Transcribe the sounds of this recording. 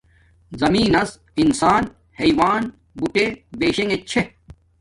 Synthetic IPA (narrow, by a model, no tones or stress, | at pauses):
zɐmiːnɐs | insaːn | hɐjwaːn | buʈebeːɕeŋet͡ɕʰe